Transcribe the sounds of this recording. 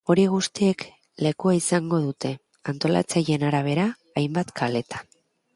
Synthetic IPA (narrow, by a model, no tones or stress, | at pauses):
o̞ɾiɣ̞ust̪ie̞k | le̞kuaisaŋɡo̞ð̞ut̪e̞ | ant̪o̞la̰t͡saje̞naɾaβ̞e̞ɾaː | jmbat̪kʰale̞t̪ḁ